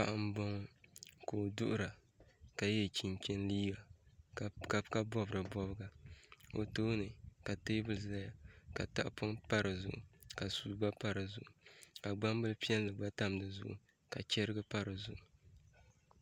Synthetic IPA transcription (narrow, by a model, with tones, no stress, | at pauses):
pa̰˨ʔa˦m˦bɔ˦ŋ˦ko˨dʊ˦ʔʊ˦ɾa˨ | ka˨jɛ˦t͡ʃi˨ŋkʲɛ˦nliː˦ba˨ | ka˨ka˦bɔ˦bɨ˨ɾɨ˨bɔ˦bɨ˦ɡa˨o̰˨toː˦nɨ˨ka˨teː˦bɨ˨lza˦ja˨ka˨ta˦ʔpʊ˦ŋpa˦ɾɨ˨zʊ̰˨ʔʊ̰˨ka˨suː˨ba˦pa˦ɾɨ˨zʊ̰˨ʔʊ˨ka˨ɡ͡ba˦mbɨ˦lpi˦ɛ˦lːɨ˨ɡ͡ba˦ta˦m˨dɨ˨zʊ̰˦ʔʊ̰˨ | ka˨t͡ʃɛ˦ɾɨ˦ɡɨ˦pa˦ɾɨ˨zʊ˨ʔʊ˨